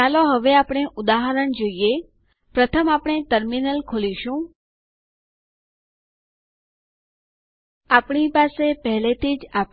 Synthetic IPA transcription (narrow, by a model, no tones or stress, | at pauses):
aloɦəʋeapɳ̃eʔud̪aɦəɾəɳd͡ʒoie | pɾət̪ʰəmapɳ̃et̪əɾminəlkʰoliʃũ | apɳ̃ipasepəɦlet̪ʰid͡ʒap